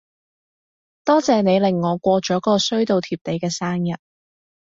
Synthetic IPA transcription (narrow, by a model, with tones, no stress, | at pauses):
t̪ɔː˥t͡sɛː˨ne˨˧jlɪ˨˩ŋːɔː˨˧kʷɔː˧t͡ʃɔː˨˥kɔː˧sɵ˥ɥt̪o˨˧wt̪ʰiː˨˩p̚t̪e˨˧jkɛː˧saː˥ŋjɐ˨˩t̚